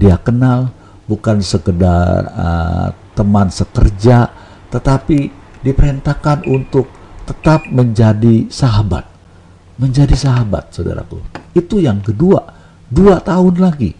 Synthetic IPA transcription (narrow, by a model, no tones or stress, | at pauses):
diakənal | bukansəkəda̰rrə̰t̪əmansəkərd͡ʒa | t̪ət̪api | dipəɾent̪akanunt̪ʊk̚t̪ət̪ap̚məɲd͡ʒadisaɦaba̰t̪̚ | məɲd͡ʒadisaɦaba̰t̪̚soda̰ɾa̰kṵit̪ujaŋkədua | duat̪aɦʊnlaɡḭ